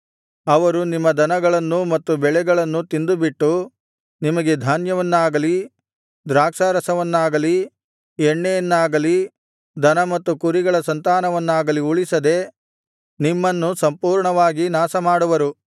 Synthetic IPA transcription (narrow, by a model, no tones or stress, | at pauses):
ɐʋɐɾunimːɐd̪ɐnɐɡɐɭɐnːumɐt̪ːubɛɭɛɡɐɭɐnːut̪ind̪ubiʈːu | nimɐɡe̞d̪ʱaːnjɐʋɐnːaːɡɐli | d̪ɾaːkʂaːɾɐsɐʋɐnːaːɡɐli | ɛɳːejɐnːaːɡɐli | d̪ɐnɐmɐt̪ːukuɾiɡɐɭɐsɐnt̪aːnɐʋɐnːaːɡɐliuɭisɐd̪e̞ | nimːɐnːusɐmpuːɾɳɐʋaːɡinaːsɐmaːɽuʋɐɾu